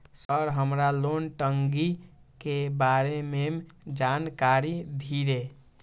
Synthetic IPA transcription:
səɾɦəmɾalonʈəŋɡi | kebaɾememd͡ʒankaɾid̪ʱiɾe

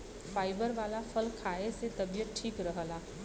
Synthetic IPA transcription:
fʰaːɪbəɾʋaːlapʰəlkʰaːeset̪əbijət̪̚ʈʰiːkɾəɦəlaː

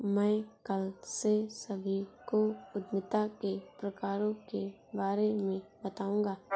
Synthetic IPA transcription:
mɛ̃ːkəlsesəbʱikoʊd̪nɪt̪akepɾəkaːɾõke | baːɾemẽbət̪aːũːɡaː

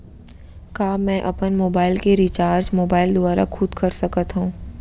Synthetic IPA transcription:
kaːmɛ̃ːʔɐpənmoːbaːɪlkeɾit͡ʃaːɾd͡ʒmoːbaːɪld̪ʊaːɾa̰kʰʊd̪kɐɾsɐkət̪ɦũː

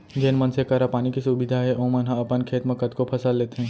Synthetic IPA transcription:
d͡ʒeːnmənsekəɾapaːnikisubɪd̪ʱaɦɛʔõmənɦãɐpənkʰeːt̪mẽkət̪kopʰɐsəlːeːt̪eɦɛ̃ː

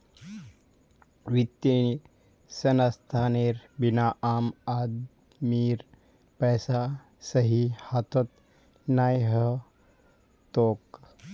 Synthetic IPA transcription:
ʋɪt̪ːe | sɐnast̪ʰaːneːɾbɪnaʔaːmaːd̪ | miːɾ | pɛːsa | sɐɦihat̪ʰot̪ | naːjɦə | t̪oːk

